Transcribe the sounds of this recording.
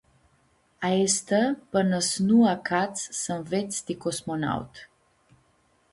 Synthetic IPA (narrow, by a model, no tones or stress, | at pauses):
aest̪əpənəsnuakat̪ssənvet̪sd̪ikosmona̰wt̪